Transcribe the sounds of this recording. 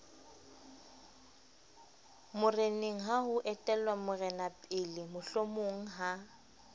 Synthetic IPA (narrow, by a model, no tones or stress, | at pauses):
mʊreneŋ̩ɦaɦʊʔɛtʼɛlwamʊrɛnapʼɪlɪmʊɬomoŋ̩ɦa